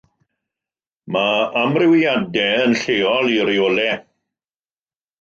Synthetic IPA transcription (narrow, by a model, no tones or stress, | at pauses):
maamrɪwiadɛənɬeːɔliɾioːlɛ